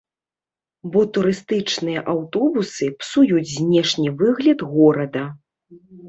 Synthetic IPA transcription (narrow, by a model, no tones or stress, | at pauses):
bɔt̪uɾɨst̪ɨt͡ʂnɨjɐʔawt̪ɔbusɨpsujud͡zʲzʲnʲɛʂnʲivɨɣlʲɐd̪ɣɔɾɐd̪ɐ